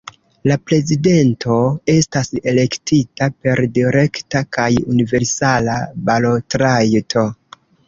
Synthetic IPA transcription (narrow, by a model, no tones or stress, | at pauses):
lapɾe̞zide̞ntʰo̞e̞stase̞le̞ktitape̞ɾdiɾe̞ktakajunive̞ɾsalabalotɾajtʰo̞